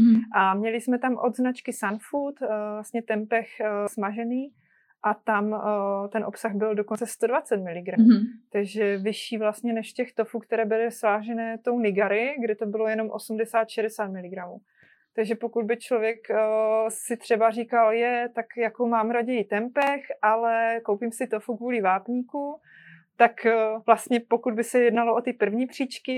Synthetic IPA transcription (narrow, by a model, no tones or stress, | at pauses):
ʔamɲɛlɪsmɛt̪amʔo̞d̪znat͡ʃkɪsanfut̪vlast̪ɲɛt̪ɛmpɛxsmaʒɛniː | ʔat̪amt̪ɛnʔo̞psaɣbɪldo̞kont͡sɛst̪odvat͡sɛt̪̚mɪlɪɡɾamut̪aɡʒɛvɪʃiːvlast̪ɲɛnɛʃcɛxt̪o̞fuːkt̪ɛɾɛːbɪlɪsvaːʒɛnɛːt̪ownɪɡaɾɪɡdɪt̪o̞bɪlo̞jɛno̞mʔo̞̰sumdɛsaːt̪ʃɛdɛsaːt̪mɪlɪɡɾamuː | t̪aɡʒɛpo̞kud̪bɪt͡ʃlovjɛkː | sɪt̪r̝̥ɛbarikaljɛt̪akjakomaːmɾaɟɛjit̪ɛmpɛxʔalɛko̞wpimsɪt̪ofukvuːlɪvaːpɲiːku | t̪akvlast̪ɲɛpo̞kud̪̚bɪsɛjɛdnaloʔot̪ɪpr̩vɲiːpr̝̥iːt͡ʃkɪ